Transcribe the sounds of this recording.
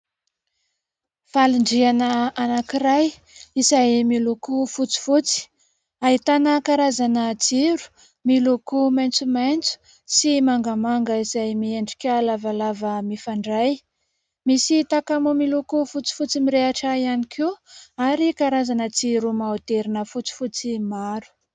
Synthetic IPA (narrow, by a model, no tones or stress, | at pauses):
faliɳɖ͡ʐianəanakiɾaj | izajmilukufut͡si̥fut͡si̥ | aɦit̪anəkaɾazanət͡siɾu̥ | milukumajnt͡sumajnt͡su̥ | simaŋɡamaŋɡəizajmieɳɖ͡ʐi̥kʲalavalavəmifaɳɖ͡ʐaj | misit̪akamumilukufut͡si̥fut͡simiɾeaʈ͡ʂaianikʰeaɾikaɾazanət͡siɾumaot̪eɾinəfut͡si̥fut͡simaɾu̥